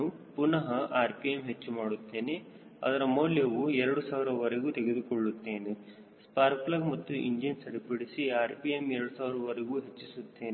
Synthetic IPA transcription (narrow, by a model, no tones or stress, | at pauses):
upunɐɦɐʔaːɾpijemɦet͡ʃːumaːɽut̪ːe̞ːne | ɐ̰d̪ɐɾɐmoːljɐʋuɛɾɐɽusaːʋiɾɐʋɐɾeɡuːt̪eɡed̪ukɔɭːut̪ːe̞ːne | spaːɾplɐɡmɐt̪ːuʔḭɲd͡ʒinsɐɾipiɽisiaːɾpijemɛɾɐɽusaːʋiɾɐʋɐɾeɡuːɦet͡ʃːisut̪ːe̞ːne